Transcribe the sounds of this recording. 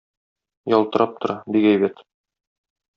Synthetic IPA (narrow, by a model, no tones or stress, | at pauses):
jɒlˠt̪ɤ̆ɾɑp̚t̪ŏɾɑbikæjbæt̪